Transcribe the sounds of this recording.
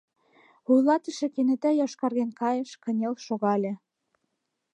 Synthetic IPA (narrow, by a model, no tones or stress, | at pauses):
ujlˠɑt̪ə̆ʃĕkenɘ̆t̪æjɑʃkɑrɣenkɑjɤ̆ʃkə̆nʲelʃoɣɑlʲĕ